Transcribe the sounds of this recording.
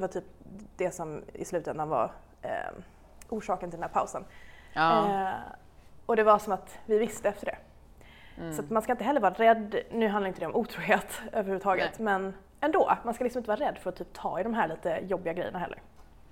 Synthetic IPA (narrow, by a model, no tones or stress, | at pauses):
ɛvaʈ̪ʰyːp̚d̪̥ɛsɔmɪ̰slʉ̟ːt̪ɛnd̪anva̰ɾ̰ | ʔuːʂɑːkənʰɪlnæːpʰa̰ʊsən | ɔd̪ɛvasɔmat̪vɪvɪst̪əɛft̪əɖɛ̰ | sɔat̪manskaɪnt̪əɦɛlːɾvɑːɾaɾɛd̪nʉ̟ːɦanɾɪnd̪ɛɔmuːt̪ʰɾuːɦeːt̪øːvəɾhʉvːət̪ɑːɡət̪mɛn | ɛnd̪oːmanskalɪksɔmɪnt̪əvɑːɾaɾɛd̪ːfœɾɔt̪ʰyːp̚t̪ʰɑ̰ːɪd̪ɔmɦæːɾɭiːt̪əjɔbːɪɡaɡɾɛ̰jːə̰naɦɛlːə̰ɾ